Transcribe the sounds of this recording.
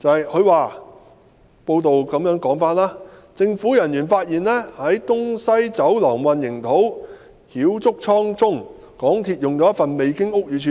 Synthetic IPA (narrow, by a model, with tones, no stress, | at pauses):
t͡sɐ˨˧hɐ˨jkʰɵ˨˧ɥwaː˨˧ | po˧wt̪o˨wkɐ˨˧˥mjœː˨˥ŋkɔː˨˥ŋfaː˥nlaː˥ | t͡sɪ˧ŋfu˨˥jɐ˨˩njyː˨˩nfaː˧t̚jiː˨nlɛː˥hɐ˨˥jt̪ʊ˥ŋsɐ˥jt͡sɐ˨˥wlɐ˨˩ŋwɐ˨˧njɪ˨˩ŋt̪ʰo˨˥w | hiː˨˥wt͡sʊ˥k̚t͡sʰɔː˥ŋt͡sʊ˥ŋ | kɔː˨˥ŋt̪ʰiː˧t̚jʊ˨ŋt͡sɔ˨˦˥ɐ˥tfɐ˨nme˨˧jkɪ˥ŋʊ˥k̚jyː˨˧˥t͡ʃʰyː˨˥